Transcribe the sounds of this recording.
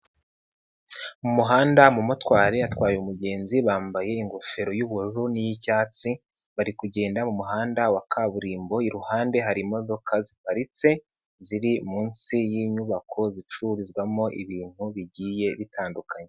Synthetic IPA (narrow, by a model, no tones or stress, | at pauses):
mumuɦaːndamumutwaːɾe̞jatwaːjoumuɟe̞ːnziβaːmbaje̞iŋɡofe̞ɾo̞juβuɾuɾunijicaːt͡si | βaɾikuɟe̞ːndamumuɦaːndawakʰaβuɾiːmbo̞iɾuhaːnde̞ɦaɾimodokʰazipaɾit͡se̞ | ziɾimuːnsijiɲuβakʰo̞zit͡ʃuɾizɡwamo̞ʔḭβiːn̥huβiɟiːje̞βitʰaːndukʰaɲe